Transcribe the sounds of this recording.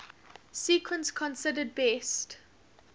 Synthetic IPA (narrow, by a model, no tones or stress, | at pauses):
siːkʰwə̃nskʰɔ̃nsɪdəd̚bɛst